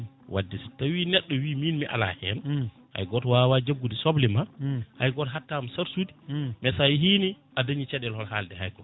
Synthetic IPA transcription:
wʔa̰dːistawinɛɗːɔwiminmiʔa̰la̰hɛ̰n | ʔa̰jɡɔtwawad͡ʒaɡːudisɔblimahajɡɔtɦatːamsaɾsudi̥mɛsajɦiːni | ʔadaɲit͡ʃɛɗɛlhɔlhaldɛhajkɔ

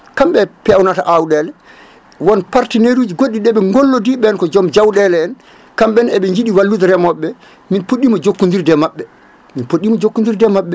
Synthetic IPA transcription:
kamɓɛpɛwnataʔawɗɛlɛ | wɔnpaɾtineɾud͡ʒiɡoɗːiɗɛɓɛŋɡolːɔdiɓɛnkɔd͡ʒɔmd͡ʒawɗɛlɛɛn | kamɓɛnɛɓɛɲd͡ʒiɗiwalːudɾɛmɔɓːɛ | minpoɗːimɔd͡ʒokːundiɾdɛmaɓːɛ | minpoɗːimɔd͡ʒokːundiɾdɛmaɓːɛ

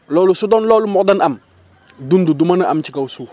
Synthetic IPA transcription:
lɔːlusudɔnlɔːlumɔkdɐnʔɐm | dundudumɐnɐʔɐmcikɐwsuː

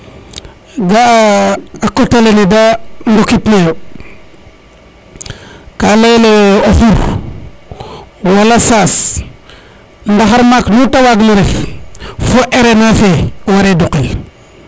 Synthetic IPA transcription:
ɡaː | kːotalenidandukitneɾo | kalejleofuɾ | walasaːs | ndaxaɾmaknutawaɡluɾef | foʔeɾenafewaɾeduqal

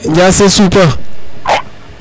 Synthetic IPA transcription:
d͡ʒasesupə

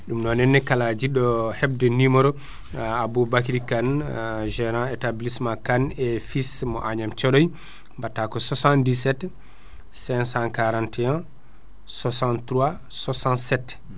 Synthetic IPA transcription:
ɗumnɔnɛnːɛkalad͡ʒiɗɔhɛb̚dɛnimɔɾɔ | abubakɾikanʒɛɾãɛtablismakanɛfismɔʔaɲamt͡ʃɔɗɔj | batːakɔsɔsãndisɛt | sɛ̃nsãnkaɾãntɛɛ̃n | sɔsantɾua | sɔsãnsɛtː

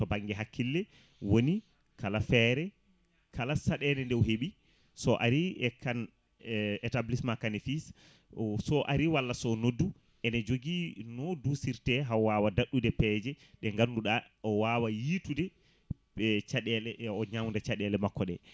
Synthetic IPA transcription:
tɔbaŋɡɛɦakːilːɛ | woni | kalafɛɾɛ | kalasaɗɛnɛndɛwɦeɓi | sɔʔaɾiɛkan | ɛtablismakanifis | sɔʔaɾiwalːasɔnodːu | ʔɛnɛd͡ʒoɡinɔdusiɾtɛɦawawadaɗːudɛpɛd͡ʒɛ | ɗɛŋɡanːduɗa | ɔwaːwajitudɛ | ɓɛt͡ʃaɗɛlɛʔɔɲamndat͡ʃaɗɛlɛmakːɔɗɛ̰

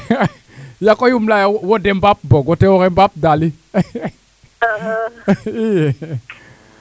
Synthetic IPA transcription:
jakɔjumlajawwɔdɛmbap̚bɔɡɔtɛwɔɣɛmbap̚dali | ijɛ

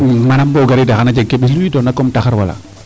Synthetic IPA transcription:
manamboɡaɾidaxanad͡ʒeɡeɓisluwidɔnakɔmtaxaɾwala̰

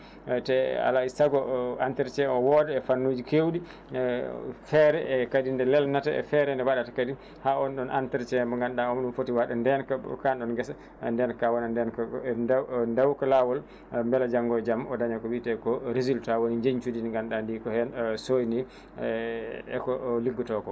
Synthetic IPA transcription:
tɛa̰laisaɡɔantɛɾt͡ʃɛɔwɔdɛɛfanːod͡ʒikewdi | fɛɾɛʔɛkadindɛlɛlnataɛ̰fɛɾɛndɛwaɗatakadi | haɔnɗɔnʔa̰ntɛɾt͡ʃɛmbɔŋɡanɗaɔmɗunfotiwaɗandɛnkakanɗɔnɡɛsa | ndɛnkawɔnandɛnk | ndawkalawɔl | mbɛlad͡ʒaŋɡɔjd͡ʒamɔdaɲakɔwitɛkɔɾezultawoniɲd͡ʒeɲt͡ʃudinŋɡanɗandikɔhɛnsojni | ɛ̰kɔliɡːɔtɔkɔ

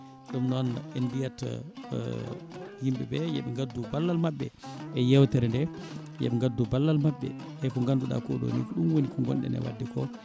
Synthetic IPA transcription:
ɗumnɔnɛnbijɛt | jimɓɛbɛjɛɓɛŋɡadːubalːalmaɓːɛʔɛjɛwtɛɾɛndɛ | jɛ̰ɓɛŋɡadːubalːalmaɓːɛ̰ | ɛkɔŋɡanduɗa̰kɔɗo̰nikɔɗunwonikɔŋɡɔ̰nɗɛ̰nɛ̰wa̰dːikɔ

